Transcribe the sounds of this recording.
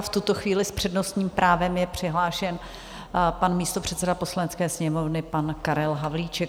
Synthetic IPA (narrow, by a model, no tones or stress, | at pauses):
ft̪ut̪o̞xviːlɪspr̥ɛdnost̪ɲiːmpɾʔaːvɛmjɛpr̥ɪɦlaːʃɛn | panmiːst̪opr̥ɛt̪sɛdapo̞slanɛtt͡skɛːsɲɛmo̞vnɪpankaɾɛlɦavliːt͡ʃɛk